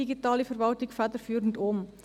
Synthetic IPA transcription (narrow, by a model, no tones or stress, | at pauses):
iɡitɑːlifəɾvɑltɪkfædəɾfyːɾən̩dom